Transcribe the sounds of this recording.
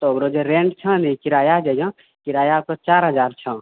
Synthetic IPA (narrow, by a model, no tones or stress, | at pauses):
t̪ɔoɡɾod͡ʒeɾeɳɖt͡ʃʰə̃nikiɾajad͡ʒəjɔ̃ | kiɾajakɔt͡ʃaɾɦəd͡ʒaɾt͡ʃʰə̃